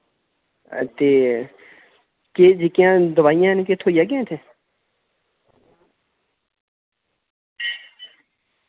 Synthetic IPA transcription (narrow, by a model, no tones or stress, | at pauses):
t̪eː | keːd͡ʒɪkjãːd̪əʋaːijãːɦnkeːt̪ʰoːijaːɡjẽːt̪ʰeː